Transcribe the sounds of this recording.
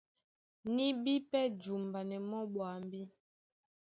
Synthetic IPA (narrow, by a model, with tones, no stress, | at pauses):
ni˦bi˦pɛ˦d͡ʒu˨mba˨nɛ˨mɔ˦ɓwa˨m˨bi˦